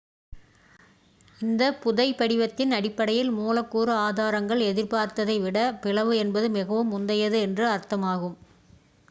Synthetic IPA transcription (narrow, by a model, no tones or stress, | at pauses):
ɪnd̪ɐpʊðɐɪpɐɽɪʋɐt̪ːɪnɐɽɪpːɐɽɐjɪlmuːlɐkːuːɾɯaːðaːɾɐŋɡɐɭɛðɪɾpaːɾt̪ɐðɐɪʋɪɽɐpɪɭɐʋɯɛnbɐðɯmɪɣɐʋɯmʊnd̪ɐjɐðɯɛndrɯɐɾt̪ɐmaːɣɯm